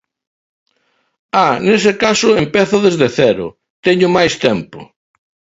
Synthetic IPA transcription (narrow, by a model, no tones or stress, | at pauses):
anesɪkasʊempɛθʊðezðeθɛɾʊ̰ | t̪ɛɲʊmajst̪ɛmpʊ̰